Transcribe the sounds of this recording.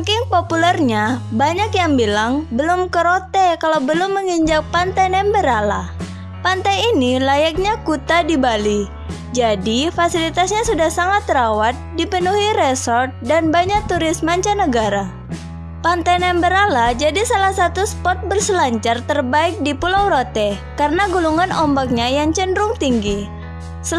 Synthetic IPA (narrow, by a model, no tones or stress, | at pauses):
kɪŋpopulɛrɲabaɲakjaŋbilaŋbəlʊmkəɾot̪ɛkalawbəlʊmːəŋiɲd͡ʒak̚pant̪ajnɛmbəɾala | pant̪ajinilajak̚ɲakut̪adibali | d͡ʒadifasilit̪asɲasudahsaŋat̪ːɾawat̪̚dipənuɦiɾesɔrt̪̚danbaɲak̚t̪uɾɪsmaɲt͡ʃanəɡaɾa | pant̪ajnɛmbəɾalad͡ʒadisalahsat̪uspɔt̪̚bərsəlaɲt͡ʃart̪ərbaɪk̚dipulawɾot̪ɛkaɾənaɡuluŋanɔmbak̚ɲajaŋt͡ʃəndɾʊŋt̪iŋɡi | sə